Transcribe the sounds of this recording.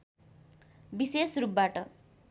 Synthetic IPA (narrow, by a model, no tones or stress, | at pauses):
bisesrup̚baʈʌ